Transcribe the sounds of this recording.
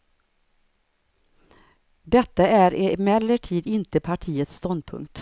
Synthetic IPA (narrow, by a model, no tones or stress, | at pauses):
d̪ɛt̪ːaæɾɛmɛlːəʈʰiːd̪ɪnt̪əpʰaʈʰiːət̪st̪ɔnd̪̚pʰɵ̰ŋkt̪